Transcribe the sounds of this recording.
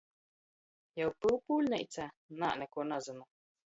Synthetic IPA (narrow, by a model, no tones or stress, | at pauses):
jawpɨlˠpuːlʲnʲɛ̰jt̪sæ | na̰ːʔnʲɛkuɔnazɨnu